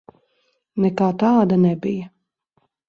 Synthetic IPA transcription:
nɛkaːt̪aːd̪anɛbijɐ

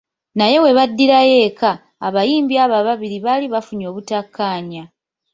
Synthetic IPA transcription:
naje̞we̞βadːiɾaje̞ːkʰa̰ː | βajiːmbiaβaβaβiɾiβaliβafuɲo̞ːβutakʰːaːɲa

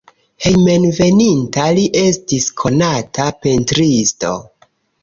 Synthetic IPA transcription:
he̞jme̞nve̞nintaliʔe̞stiskʰo̞natʰape̞ntɾisto̞̰

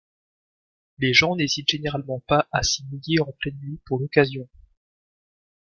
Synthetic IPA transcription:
leʒɑ̃nezit̪ʒ̥eneʁalmɑ̃paʔasimiljeɑ̃plɛnvipuʁlɔkazjɔ̃

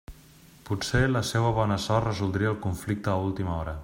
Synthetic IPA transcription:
put͡seləseβəβ̞ɔnəsɔrəzulˠd̪ɾiəlˠkuɱflik̚t̪əːulˠt̪iməɔɾə

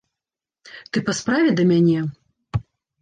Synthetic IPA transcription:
t̪ɨpɐspɾavʲɛd̪ɐmʲanʲɛ

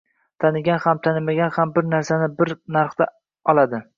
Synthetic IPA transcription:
t̪ʰanɪɡʲanhamt̪ʰanɪmaɡʲanhambɪɾnaɾsanɪbɪɾnaɾχt̪a | ɒlˠad̪ɪ

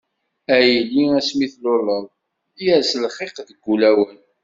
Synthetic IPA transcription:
æjəlːiæsmiθlolˤːəðˤ | iæslχeqðəɡːulæwən

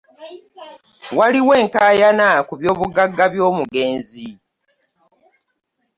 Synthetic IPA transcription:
waliwe̞ːŋkaːjanakuβjo̞ːβuɡaɡːaβjo̞ːmuɡe̞ːnzi

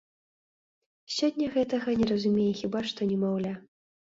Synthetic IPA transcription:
sʲɔdʲːɐɣɛt̪ɐɣɐnʲɛrɐzumʲejɛxʲibaʂt̪ɔnʲɛmawlʲa

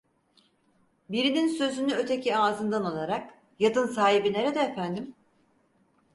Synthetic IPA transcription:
biɾininsø̞zynyø̞t̪ʰe̞cʰiaːzɯnd̪analˠaɾak | jad̪ɯnsaːɦibine̞ɾed̪ɛːfænd̪im

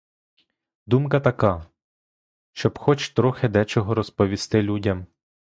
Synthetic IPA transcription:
d̪umkɐt̪ɐkɑ | ʃt͡ʃɔbxɔt͡ʃt̪ɾɔxed̪ɛt͡ʃɔɦɔɾɔspɔʋʲist̪ɪlʲudʲɐm

